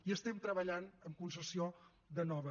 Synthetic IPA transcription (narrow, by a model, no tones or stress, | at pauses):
iəst̪ɛmt̪ɾəβəʎanəmkunsəsio | ðənɔβə